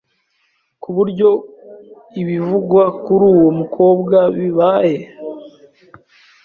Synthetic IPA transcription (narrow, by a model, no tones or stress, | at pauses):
kuβuɾɟo̞ | iβivuɡwakuɾuːwo̞mukʰo̞ːbɡaβiβaje̞